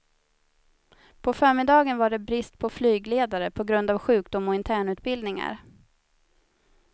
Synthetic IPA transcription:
pʰɔfœːɾmɪd̪ɑːɡənvaɖɛbɾɪst̪̚pʰɔflyːɡleːd̪aɾəpʰɔɡɾɵnd̪avɧʉ̟ːkd̪ʊmːɔɪnt̪ʰæːɳʉ̟ːt̪̚bɪld̪nɪŋa̰ɾ

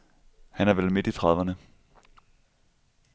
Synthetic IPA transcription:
hænæɐʋelme̝d̥it͡sʰʁɑðˠʋɐnə

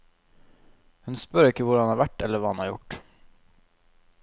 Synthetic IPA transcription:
hʉnspœɾɪkːəvʊɖɑnhɑːɾʋæʈːɛlːəɾɑːhɑnhɑːɾjʊ̰ʈː

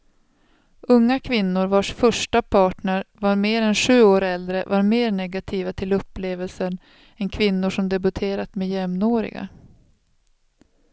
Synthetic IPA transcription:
ɵŋːakʰvɪnːʊɾvaʂfœʂʈapʰɑːʈɳəɾvaɾmeːɾɛnɧʉ̟ːoːɾɛld̪ɾəvaɾmeːɾɳɛɡat̪ʰiːvat̪ʰɪlɵpːleːvəlsən | ɛnkʰvɪnːʊʂɔmd̪ɛbɵt̪ʰeːɾat̪mejɛmnoːɾɪ̰ɡa̰

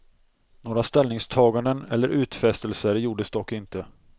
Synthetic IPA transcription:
noːɾast̪ɛlnɪŋst̪ʰɑːɡand̪ənɛlːəɾʔʉ̟ːt̪fɛst̪əlsəɾjuːɖəsd̪ɔkːɪnt̪ə

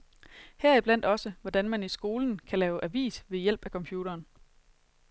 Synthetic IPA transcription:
hɛɐib̥læn̰d̥ɒ̽səʋɒd̥ænmænisɡ̥o̝ːln̩kʰælɛːʊʔæʋḭːsʋe̝jel̰b̥ækʰɒ̽mpʰjuːɾ̥ɐːn

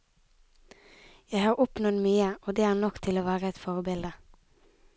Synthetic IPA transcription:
jæɪhɑːʁʊpnɔd̪myːəoːd̪eːæːʁnɔkt̪ʰɪloːʋæːʁəɛt̪fɔʁbɪld̪ə

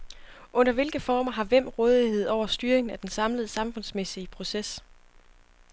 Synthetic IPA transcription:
ʔɔ̽n̰ɐʋe̝lɡ̥əfɒːmɐɦɑ̈ʋem̰ʁɔ̽ːð̞ˠihe̝ð̞̰ˠɒʊ̰ɐsd̥yːɐʁeŋn̩æd̥ensɑ̈mləð̩ˠsɑ̈mfɔ̽nsmesiəpʰʁo̝ses

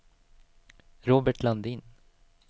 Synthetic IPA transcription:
ɾoːbəʈʰland̪in

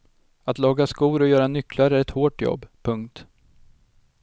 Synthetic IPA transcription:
at̪lɑːɡaskuːɾɔjœːɾanʏkːlaɾæɾɛt̪hoːʈjɔ̰bːpʰɵŋkt̪

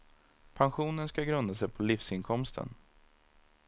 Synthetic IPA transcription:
pʰanɧuːnənskaɡɾɵnd̪asɛjpʰɔlifsɪnkʰɔmst̪ʰə̰n

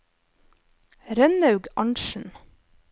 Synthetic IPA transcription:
ɾœnɑʉɡɑɳʃn̩

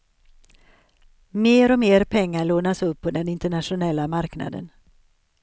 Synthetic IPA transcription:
meːɾɔmeːɾpʰɛŋːaɭoːnasɵpːɔd̪ɛnɪnt̪əɳatʂʊnɛlːamaɾkna̰d̪ə̰n

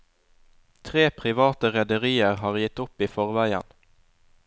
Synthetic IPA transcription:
t̪ʰʁeːpʰʁɪʋɑːt̪əʁɛd̪əʁiːəʁhɑːʁjɪt̪ʊpiːfɔʁʋæɪə̰n

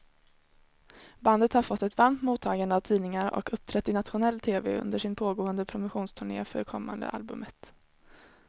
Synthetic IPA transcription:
band̪ət̪haɾfɔt̪ːɛt̪vaɾmt̪muːt̪ʰːɑːɡand̪əavt̪ʰiːnɪŋaɾɔ̰kɵp̚ːt̪ʰɾɛt̪ːɪnat̪ɧʊnɛlːt̪ʰeːvḛʔɵ̰nd̪əʂɪnpʰoːɡoːənd̪əpʰɾʊmʊɧuːnst̪ʰɵɳḛːfœ̰ɾkʰɔmːa̰nd̪ə̰ʔa̰lbɵ̰mʔət̪

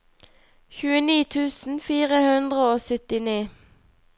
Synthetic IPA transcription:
çʉːəniːt̪ʰʉːsn̩fiːʁəhʉnd̪ʁəoːsœt̪ɪniː

